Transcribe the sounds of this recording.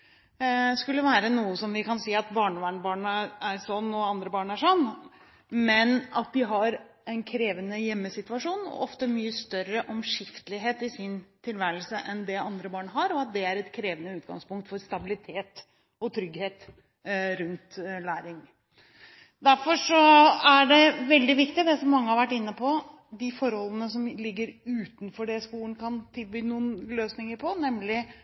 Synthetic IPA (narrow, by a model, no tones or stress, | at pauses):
skʉlːəʋæːɾənuːəsɔmʋɪkɑnsiːɑt̪bɑːɳʋæːɳbɑːɳəæɾsɔnːɔɑnd̪ɾəbɑːɳæʂɔnː | mɛnɑt̪̚d̪ɪɦɑɾ | ɛnkʰɾeːʋənəjɛmːəsɪt̪ʋɑʂuːnɔ̰ʔɔft̪əmyːəst̪œɾəʔɔmʂɪft̪əlɪɦeːt̪ɪsɪnt̪ʰɪlʋæːɾəlsəʔɛnd̪ɛɑnd̪ɾəbɑːɳɦɑɾɔɑt̪̚d̪ɛæɾɛt̪kʰɾeːʋənəʉːt̪̚ɡɑ̰ŋspʊŋkt̪fɔɾst̪ɑbɪlɪt̪ʰeːt̪ | ɔt̪ʰɾʏɡheːt̪ | ɾʉnt̪læːɾɪŋ | d̪æɾfɔʂɔæɖɛʋɛld̪ɪʋɪkt̪ɪd̪ɛsɔmːɑŋːəhɑɾʋæʈːɪnːəpʰɔ | d̪ɪfɔɾhɔlːənəsɔmlɪɡːəɾʉːt̪nfɔɖɛskuːlənkʰɑnt̪ʰɪlbyːnuːənløːsnɪŋəɾpʰɔnɛmːlɪ